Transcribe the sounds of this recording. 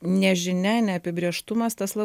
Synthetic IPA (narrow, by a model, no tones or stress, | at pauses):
nʲɛʒʲɪnʲɛnʲɛɐpʲɪbʲɾʲeɛʃt̪ʊmɐst̪ɐslˠɐ